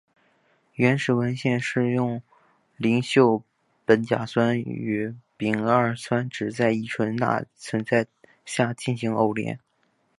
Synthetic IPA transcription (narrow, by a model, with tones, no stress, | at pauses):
ɥɛ˧˥nʂɻ̩˨˥˩wə˧˥nɕjɛ˥˧nʂɻ̩˥˧jʊ˥˩ŋ | li˧˥ŋɕjo˥˩ʊ | pə˧˥nt͡ɕja̰˨˩swa˥ny˧˥˩pi˨˩ŋə˞˥˩swa˥nʈ͡ʂɻ̩˨˩t͡sa˥˧ɪi˥˩ʈ͡ʂʰwə˧˥nt̪a̰˥˧t͡sʰwə˧˥nt͡sa˥˧ɪ | ɕja˥˧˩t͡ɕi˥˩nɕi˧˥ŋo˥˩ʊljɛ̰˧˥n